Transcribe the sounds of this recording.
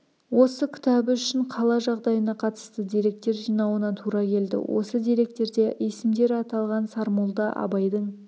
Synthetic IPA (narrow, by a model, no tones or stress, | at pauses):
wo̞səkʲʰɪ̥t̪æbɪʏʃɪɴqʰɑlˠɑʒɑʁd̪ɑjənɑqʰɑt̪ə̥st̪əd̪iɾe̞k̚t̪ːe̞ɾʒijnɑwənɑt̪ʰuɾɑkʲʰe̞ld̪ɪ̰wʔo̞̰səd̪ijɾe̞k̚t̪e̞ɾd̪e̞ʔesɪmd̪e̞ɾɑt̪ɑlˠʁɑnsɑɾmolˠd̪ɑʔɑ̰bɑjd̪əɴ